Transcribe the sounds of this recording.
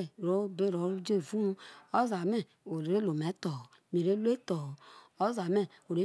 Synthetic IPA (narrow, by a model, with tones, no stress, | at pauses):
ɾo˨˦be˦˨ɾo˨˦ɾd͡ʒe˦˨vũ˦o˦za˨mɛ˦˨ | o˨ɾɾe˦lo˨mɛ˨˦tɔ˨ | me˨ɾe˦lu˦e˦tɔ˨ | o˦za˨mɛ˦˨o˨ɾe˦